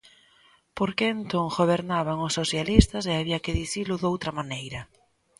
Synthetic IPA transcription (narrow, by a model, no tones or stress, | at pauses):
poɾkeent̪oŋxoβ̞eɾnaβ̞aŋʊsːoθjalist̪ɐseaβiakɪðiθilʊðowt̪ɾɐmanejɾɐ